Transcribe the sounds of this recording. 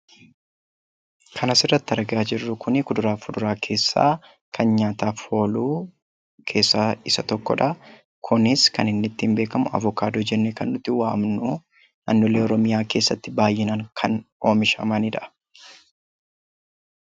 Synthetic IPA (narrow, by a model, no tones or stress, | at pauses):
kʰɐnɐsɪrːɐt̪ːɪɐɾɡaːd͡ʒɪrːʊkʰʊnɪkʊd̪ʊɾaːfʊd̪ʊɾaːkʰe̞ːsːa̰ː | kʰɐnɲaːt̪aːfho̞ːluː | kʰe̞ːsːɐɪsɐt̪ɔkːɔ̰ᶑɐ | kʰʊnɪskɐnɪnːɪt̪ːiːmbe̞ːkɐmʊɐ̰vʊkaːd̪od͡ʒɛnːekɐnːʊt̪ːɪwaːmnʊː | nanːɔle̞ːɔɾɔmɪjaːke̞ːsːɐt̪ːɪbaːjːɪnɐŋkʰɐno̞ːmɪʃɐ̰mɐnɪᶑɐ